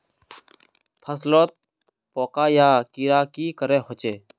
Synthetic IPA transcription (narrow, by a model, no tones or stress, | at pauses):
pʰəsloːt̪̚ | poːkaːjaːkiːɾaːkiːkəɾeːɦoːt͡ʃeː